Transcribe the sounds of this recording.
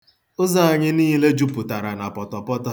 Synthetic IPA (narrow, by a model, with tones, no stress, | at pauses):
ʊ˦za˦a˨ɲɪ˦niː˦le˦d͡ʒu˦pʊ˨ta˨ɾa˨na˨pɔ˨tɔ˨pɔ˦tɔ˦